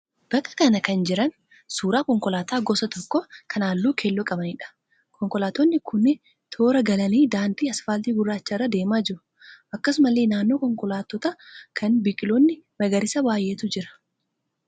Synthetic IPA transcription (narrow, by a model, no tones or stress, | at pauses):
b̥ɐkʼːɐ̥kɐnɐkɐnd͡ʒɪɾɐn | suːɾaːkɔŋkɔlaːt̪aːɡɔsɐt̪ɔkːɔkʰɐnaːlːuːkʰeːlːɔkʼɐbɐniːᶑɐ̥ | kʰɔŋkʼɔlaːt̪ɔnːɪkʰʊnɪ | t̪ʰo̞ːɾɐɡɐlɐniːd̪aːnd̪iːɐsfaːlt̪iːɡʊrːaːt͡ʃːɐɪrːɐd̪e̞ːmaːd͡ʒɪɾʊ | ʔɐkːɐsʊmɐlːeːnaːnːo̞ːkɔŋkʼɔlaːt̪ːɔt̪ɐkʰɐnbɪkʼɪlonːɪmɐɡɐɾɪsɐbaːjːeːt̪ʊd͡ʒɪɾɐ̥